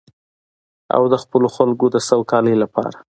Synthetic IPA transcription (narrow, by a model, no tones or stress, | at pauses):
a̰wd̪əxpəloxalɡod̪əsawkɑləjlapɑ̰ɾa